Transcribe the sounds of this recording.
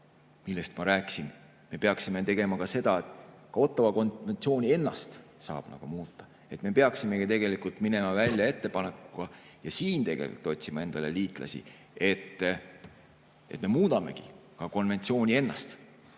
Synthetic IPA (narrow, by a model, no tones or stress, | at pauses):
milːest̪mɑɾæːkːˑi̥sin | me̞pe̞ɑksime̞t̪e̞ɡe̞mɑkɑse̞d̪̥ɑet̪kɑo̞t̪ːˑɑvɑko̞nve̞nt̪sio̞ːnʲie̞nːɑ̰st̪sɑ̰ːb̥nɑ̰ɡ̥umuːt̪ːɑ̥ | e̞t̪me̞pe̞ɑksime̞ɡit̪e̞ɡ̥e̞likult̪mine̞mɑvælʲjɑe̞t̪ːe̞pɑnekːuɡ̥ɑ | jɑsiːnt̪e̞ɡḛlikult̪o̞t̪ʲsimɑe̞nd̪ɑle̞liːt̪ˑlɑ̰sḭ | e̞t̪ː | e̞̰t̪me̞muːd̪̥ɑme̞̰ɡikɑko̞nve̞nt̪sio̞ːnʲie̞nːɑ̰st̪